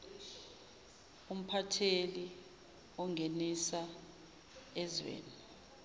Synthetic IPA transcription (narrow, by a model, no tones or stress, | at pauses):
um̩pʰatʰeli | ɔŋɡʱenisa | ɛzwḛːni